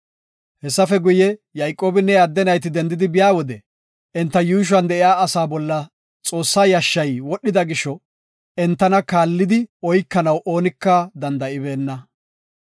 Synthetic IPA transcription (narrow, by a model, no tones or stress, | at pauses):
hɛsːɐfɛɡʊjɛjɐjkʼːo̞ːbɪnːɛad̪ːɛnɐjt̪ɪd̪ɛnd̪ɪd̪ɪbɪjaːwɔd̪ɛ | ʔɛnt̪ːɐjuːʃ̬ʊwɐnd̪ɛʔɪjaːɐsaːbɔlːɐ | t͡sʼo̞ːsːaːjɐʃːɐjwɔɗːɪd̪ɐɡɪʃːɔ | ɛnt̪ːɐnɐkaːlːɪd̪ɪɔjkːɐnɐwʔo̞ːnɪkːɐd̪ɐnd̪ɐʔɪbe̞ːnːɐ